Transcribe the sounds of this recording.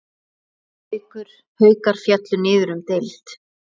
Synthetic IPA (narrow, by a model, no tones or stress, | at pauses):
ɪkʏɾ̥ | hœːɥkaɾ̥fjat̪lʏnɪːðʏɾʏmt̪ejlt̪